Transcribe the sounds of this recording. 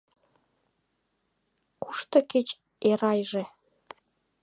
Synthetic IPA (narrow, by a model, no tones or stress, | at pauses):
kuʃt̪ɤ̆ket͡ɕ | eɾɑjʒe